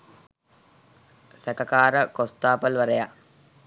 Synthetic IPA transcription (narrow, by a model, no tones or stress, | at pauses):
sɛkəkaːɾəkost̪aːpəlʋəɾəja